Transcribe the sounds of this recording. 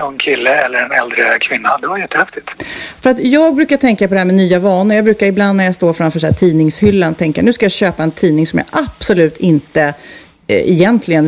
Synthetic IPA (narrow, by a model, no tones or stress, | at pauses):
ɔɛnkʰɪlːəɛlːəɾɛnɛld̪ɾəkʰvɪnːad̪ɛvaɾjɛt̪ʰːəhɛft̪ɪt̪fœɾat̪jɑːɡ̚bɾʉ̟ːkaʈ̪ʰɛŋkapʰɔd̪ɛɦæːmɛnyːavɑːnəɾjɑɡbɾʉ̟ːkaɾɪbland̪ːnæɾjast̪oːɾfɾamfœːʂæt̪ʰiːnɪŋshʏlːanɔt̪ʰɛŋkənʉːskajɑːɕøːpaɛnt̪ʰiːnɪŋsɔmja̰ːʔapsɔlʉ̟ːt̪ʰɪnt̪ə | ɛjɛnt̪ʰlɪɡən